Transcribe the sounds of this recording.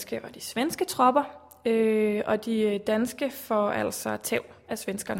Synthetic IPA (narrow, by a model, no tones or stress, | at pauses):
sɡ̥əɒd̥isʋensɡ̥ət͡sʰʁɒ̽b̥ɐ | øɒ̽d̥id̥ænsɡ̥əfɒæl̰sɒ̽t͡sʰɛʊ̰æsʋensɡ̥ɐnə